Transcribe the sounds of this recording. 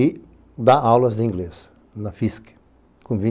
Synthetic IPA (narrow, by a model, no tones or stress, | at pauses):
i | d̪aawlɐzd̪ɪĩŋɡles | nɐfisk | kõvĩ